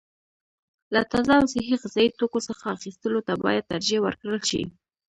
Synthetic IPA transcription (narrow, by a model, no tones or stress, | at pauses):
lat̪azɑsɪɦiʁɪzɑjit̪okosəxaːxist̪əlot̪abɑ̰jad̪̚t̪aɾd͡ʒewə̰ɾkɽəlʃḭ